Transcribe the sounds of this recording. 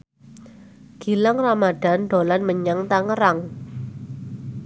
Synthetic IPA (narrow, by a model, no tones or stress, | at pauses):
ɡ̥i̤laŋramad̥a̤nɖ̪o̤lanməɲaŋt̪aŋəɾaŋ